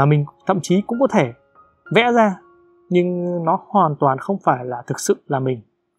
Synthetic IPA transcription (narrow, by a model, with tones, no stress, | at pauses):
mi˨˩ŋ̟t̪ʰə̰˧˨mt͡ɕi˨˦kʊ̰˧˥ŋ͡mkɔ˨˦t̪ʰe˧˩ | vɛ̰˧˥zaː˧ | ɲɨ˧ŋnɔ˨˦hwaː˨˩nt̪waː˨˩nxə˧wŋ͡mfaː˧˩jlaː˨˩t̪ʰɨ˨˩k̚sɨ̰˧˨laː˨˩mï˨˩ŋ̟